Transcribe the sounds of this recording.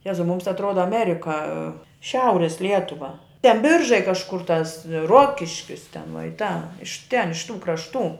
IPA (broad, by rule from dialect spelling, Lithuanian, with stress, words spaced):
ˈjæːzɐʊ ˈmʊms ɐtˈroːdɐ ɐˈmʲæːrʲɪkɐ ˈʃʲɛʊrʲɪs ˈlʲiɛtʊʋɐ tʲɛn ˈbʲɪrʒɐɪ kɐʃˈkʊr tɐs ˈruɔkʲɪʃʲkʲɪs tʲɛn ʋuɔ ɪ tɐ ɪʃ tʲɛn ɪʃ tuː krɐʃˈtuː